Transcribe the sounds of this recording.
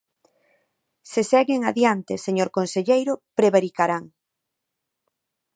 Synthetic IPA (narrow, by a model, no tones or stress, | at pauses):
sesɛɣɪŋaðjant̪eseɲoɾkonseʎejɾʊpɾeβaɾikaɾaŋ